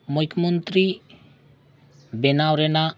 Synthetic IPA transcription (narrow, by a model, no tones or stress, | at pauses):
mʊkʰːmənt̪ɾi | benawɾena